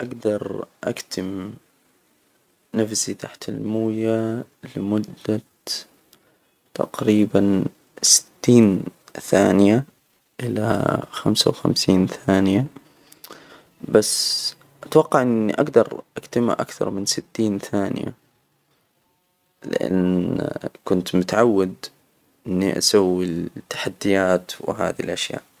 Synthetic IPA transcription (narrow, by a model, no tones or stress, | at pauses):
ʔaɡd̪ɑɾˤʔa̰kt̪ʰɪm | nafzit̪ʰaħt̪almuːjalɪmʊd̪ːa | t̪ɑ̰qɾiːban | sɪ̥t̪ːiːnθaːnɪja | ʔɪla̰xamsa̰wxa̰msiːnθaːnɪja | basː | ʔat̪wɑqːɑʕʔɪnːḭʔaɡd̪ɑɾˤʔakt̪ama̰ʔa̰kθɑ̰ɾˤmɪnsɪt̪ːiːnθaːnɪ̰ja̰ | lɪ̰ʔa̰n | kʊnt̪mʊt̪ʕawːad̪ | ʔɪnːḭʔa̰sawːit̪ːḁħad̪ːɪjaːt̪wɪ̰ɦa̰ːðilʔaʃja̰ːʔ